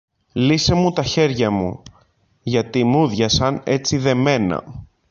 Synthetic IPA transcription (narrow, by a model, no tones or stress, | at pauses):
lise̞mut̪ɐçe̞ɾʝɐmṵ | ʝɐt̪imuðʝɐsɐne̞t͡siðe̞me̞nɐ̰